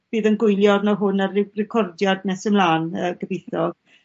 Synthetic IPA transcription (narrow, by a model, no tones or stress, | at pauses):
b̥iːðənɡʊjljɔrnaɦʊnarɪrɛkʰɔrdjadnɛsəmlˠaːnəːɡəvejθɔ̥